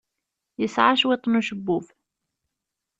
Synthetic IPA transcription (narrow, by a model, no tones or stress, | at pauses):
jəsʕaʃwit̪ˤnuʃəbːuf